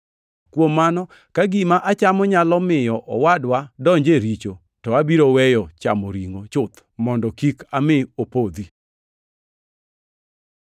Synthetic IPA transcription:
kwomːanɔ | kaɡɪmaʔat͡ʃamɔɲalɔmɪjɔʔɔwadwadɔɲd͡ʒeɾit͡ʃo | tɔabiɾowɛjɔt͡ʃa̰moɾiŋot͡ʃʊt̪ | mɔndɔkikamɪopod̪i

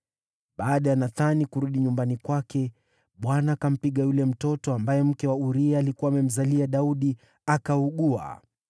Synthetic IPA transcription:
ɓaːɗajanaθanikuɾuɗiɲumbanikwakɛ | ɓwanaːkam̩piɠajulɛm̩tɔtɔambajɛm̩kɛwauɾiaːlikuwaːmɛm̩zaliaɗauɗi | akauɠua̰

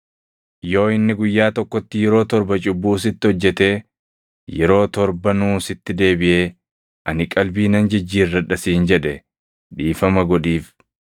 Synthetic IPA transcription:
jo̞ːɪnːɪɡʊjːaːt̪ɔkːɔt̪ːɪjɛɾo̞ːt̪ɔɾbɐt͡ʃʼʊbːuːsɪt̪ːɪhɔd͡ʒːɛt̪e̞ː | jɛɾo̞ːt̪ɔɾbɐnuːsɪt̪ːɪd̪e̞ːbɪʔeː | ʔɐnɪkʼɐlbiːnɐnd͡ʒɪd͡ʒːiːrːɐᶑɐsiːnd͡ʒɛᶑɛ | ᶑiːfɐmɐɡɔᶑiːf

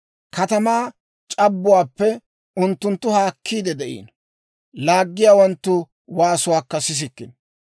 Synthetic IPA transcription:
kɐt̪ɐmaː | t͡ʃʼɐbːʊwaːpːɛ | ʊnt̪ːʊnt̪ːʊhaːkʰːiːd̪ɛd̪ɛʔḭːn | laːɡːɪjaːwɐnt̪ːʊ | waːsʊwaːkːɐsɪs̬ɪkːɪn

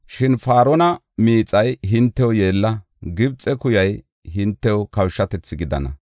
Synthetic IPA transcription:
ʃɪnfaːɾɔnɐ | miːt͡sʼɐjɦɪnt̪ːɛwje̞ːlːɐ | ɡɪbt͡sʼɛkʊjɐj | ɦɪnt̪ːɛwɔkɐwʃːɐt̪ɛt͡sːɪɡɪd̪ɐ̰nɐ

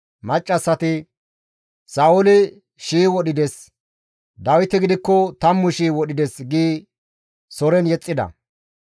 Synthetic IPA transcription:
mɐt͡ʃʼːɐsːɐt̪ɪ | saːʊlɪ | ʃiːwɔɗɪd̪ɛs | d̪ɐwɪt̪ɛɡɪd̪ɪkːɔt̪ɐmːʊʃiːwɔɗɪd̪ɛsɡiː | sɔɾɛnjɛt͡sʼːɪd̪ɐ̰

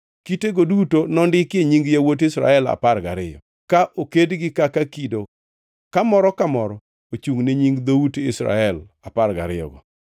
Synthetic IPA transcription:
kiteɡodutonɔndɪkeɲiŋɡjawot̬ɪsɾa̰ɛla̰parɡa̰ɾɪjɔ̰ | kaʔokedɡɪkakakido | kamɔɾɔkamɔɾɔ | ot͡ʃuŋneɲiŋɡd̪outɪsɾa̰ɛlaparɡa̰ɾɪjɔ̰ɡɔ

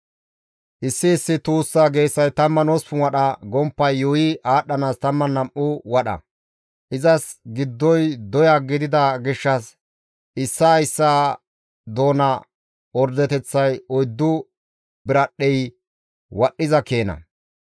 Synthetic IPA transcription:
ʔɪsːɪːsːɪt̪uːsːaːɡe̞ːsːɐjt̪ɐmːɐnɔspʊwɐɗɐɡɔmpːɐjːɔjɪʔaːɗːɐnaːst̪ɐmːɐnɐmʔʊwɐɗɐ̰ | ʔɪzɐsɡɪd̪ːɔjd̪ɔjaɡɪd̪ɪd̪ɐɡɪʃːɐs | ʔɪsːɐːjsːaː | d̪o̞ːnɐ | ɔɾd̪ɛt̪ɛt͡sːɐjɔjd̪ːʊ | bɪɾɐɗɛj | wɐɗːɪzɐkeːnɐ̰

